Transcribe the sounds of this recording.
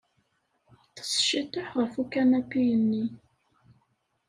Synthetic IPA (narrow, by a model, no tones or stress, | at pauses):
θə̥sʃit̪ʊħʁəfukːænæpːijənːi